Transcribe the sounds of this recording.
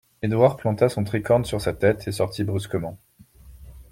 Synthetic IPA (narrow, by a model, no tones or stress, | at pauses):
ed̪waʁplɑ̃t̪asɔ̃t̪χikɔʁnsyʁsat̪ɛt̪ʰesɔʁt̪ʰibʁyskəmɑ̃